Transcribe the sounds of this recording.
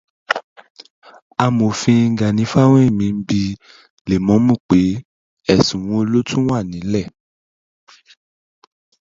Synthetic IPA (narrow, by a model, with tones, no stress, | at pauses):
a˧mo˨fĩ˧ŋ̩˨˦ɡa˨nĩ˨˦fa˦w̃ẽ˦i˦˨mĩ˨˧˦m̩˦bi˧ | le˨mɔ̃˨˦mũ˦˨k͡pe˨˦ | ɛ˦˨sũ˨wɔ̃˧o˧lo˦tʰũ˦w̃a˦˨nĩ˨˦lɛ˦˨